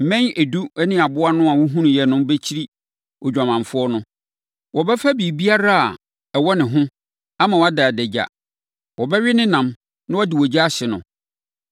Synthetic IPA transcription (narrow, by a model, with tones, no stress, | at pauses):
m̩˨mɛ̃˦nɛ˨du˦ɛ˦nɪ̃˦˨a˨bʊ˦a˦nʊ̃˦a˨wu˦ɦũ˦ñ˨jɛ˨nʊ̃˦m˦be˦t͡ɕʰi˦ɾi˦ | ɔ˨d͡ʑᶣa˨mã˨fʊ˦ɔ˦nʊ̃˦ | wɔ˨bɛ˦fa˦bi˨bi˦a˦ɾa˦a̰˨ | ɛ˨wɔ˦nɪ̃˨ɦʊ̃˦ | a˦mã˨wa˦da˨dɛ˨d͡ʑa̰˨ | wɔ˨bɛ˦ɥɪ˦nɪ̃˦nã˨m | nã˦wɔ˦dɪ˨wɔ˨d͡ʑa˦ɕɪ˨nʊ̰̃˨